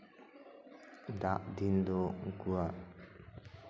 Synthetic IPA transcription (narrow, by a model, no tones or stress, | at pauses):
d̪aʔd̪ind̪ɔŋkua